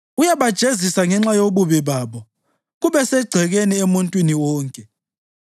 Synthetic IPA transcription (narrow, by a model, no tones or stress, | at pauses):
ujaβad̥ʒ̥ʱezisaŋɛŋ͡ǁajoβuβiβaβɔ | ɣuβɛsɛɡ͡ǀʱɛɣeniemuntʼwiniwɔːŋkʼɛ